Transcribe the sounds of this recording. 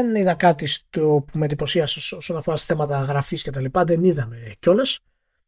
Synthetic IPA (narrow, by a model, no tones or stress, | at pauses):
eniðɐkɐt̪ist̪opumend̪ipo̞siɐseo̞so̞nɐfo̞ɾɐsθemɐt̪ɐɣɾɐfisce̞t̪ɐlipɐðeniðɐme̞co̞les